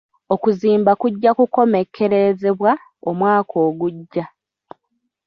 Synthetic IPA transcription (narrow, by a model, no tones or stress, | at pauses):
o̞kuziːmbakuɟːakuko̞me̞kʰːe̞ɾe̞ze̞βwa | omwaːkʰo̞ːɡuɟːa